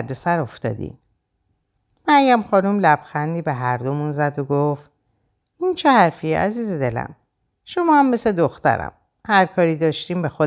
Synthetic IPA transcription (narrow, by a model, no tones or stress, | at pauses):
ɾd̪e̞sæɾoft̪ɒ̰ːd̪ḭn | mæɾjæmxɒːnumlæb̥xænd̪iːbeɦæɾd̪o̞munzæd̪oɡoft̪ | int͡ʃʰehæɾfiḛʔæziːzed̪e̞læ̰m | ʃo̞mɒːhæmːe̞sed̪oxt̪æ̰ɾæ̰m | hæɾkʰɒːɾiːd̪ɒːʃt̪iːmbe̞xo